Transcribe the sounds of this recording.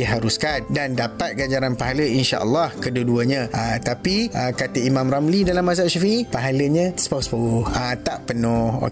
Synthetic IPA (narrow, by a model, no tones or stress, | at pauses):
iɦaɾuskandandapat̪̚ɡad͡ʒaɾanpaɦaləinʃa̰ʔə̰lːahkəduduəɲãʔət̪apiʔəkat̪əimãmɾamlidalamːas̬aʃafiʔipaɦaləɲə̃sə̥paspaoət̪aʔpənɔho̰